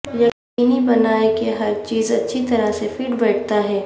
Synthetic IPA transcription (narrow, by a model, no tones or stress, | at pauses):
jɐk | iːnibɐnaːekeɦɐɾt͡ʃiːzɐtːʃʰit̪ɐɾasefiːʈbɛːʈ̚ʰt̪aɦɛː